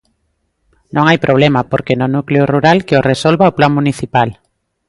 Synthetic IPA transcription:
nõŋajpɾoβ̞lemapoɾkenonukleoruɾalkeoresolβaoplaŋmũniθipal

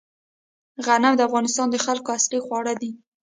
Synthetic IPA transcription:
ɣanamd̪əafɣɑnɪst̪ɑnd̪əxalkoaslixwɑɽəd̪i

